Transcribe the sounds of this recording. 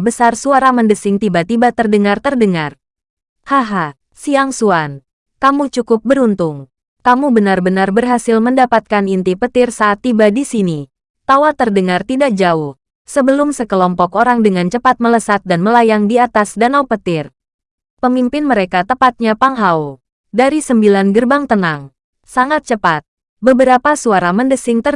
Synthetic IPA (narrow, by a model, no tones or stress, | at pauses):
bəsarsuaɾaməndəsɪŋt̪ibat̪ibat̪ərdəŋart̪ərdəŋar | haɦa | siaŋsuan | kamut͡ʃukʊp̚bəɾunt̪ʊŋ | kamubənarbənarbərɦasɪlməndapat̪̚kanint̪ipət̪ɪrsaːt̪ːibadisini | t̪awat̪ərdəŋart̪idak̚d͡ʒaʊh | səbəlʊmsəkəlɔmpɔkoɾaŋdəŋant͡ʃəpat̪̚mələsat̪̚danməlajaŋdiat̪asdanaupət̪ɪr | pəmimpɪnməɾekat̪əpat̪̚ɲapaŋɦaw | daɾisəmbilanɡərbaŋt̪ənaŋ | saŋat̪̚t͡ʃəpat̪̚ | bəbəɾapasuaɾaməndəsɪŋt̪ər